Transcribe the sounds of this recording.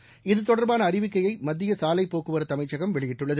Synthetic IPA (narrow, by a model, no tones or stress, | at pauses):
ɪðɯt̪ɔɽɐɾbaːnɐːɾɪʋɪkːɐjɐɪmɐd̪ːɪjɐsaːlɐɪpːoːkɯʋɐɾɐt̪ːɐmɐɪt͡ʃːɐɣɐmʋɛɭɪjɪʈːɯɭːɐðɯ